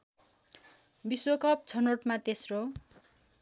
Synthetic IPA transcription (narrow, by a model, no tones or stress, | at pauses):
biswokʌp̚t͡sʰʌnoʈmat̪esro